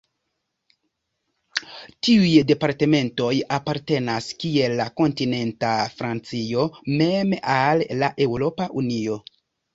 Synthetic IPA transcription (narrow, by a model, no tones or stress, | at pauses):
tiujde̞paɾte̞me̞nto̞japaɾte̞naskie̞lːako̞ntine̞ntafɾant͡sio̞me̞malːaʔe̞wɾo̞paʔunio̞